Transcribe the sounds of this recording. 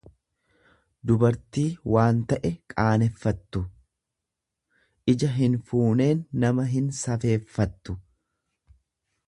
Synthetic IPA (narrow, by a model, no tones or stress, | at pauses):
d̪ʊbɐɾt̪iːwaːnt̪ɐʔɛkʼaːnɛfːɐt̪ːʊ | ʔɪd͡ʒɐɦɪnfuːne̞ːnːɐmɐɦɪnsɐfe̞ːfːɐt̪ːʊ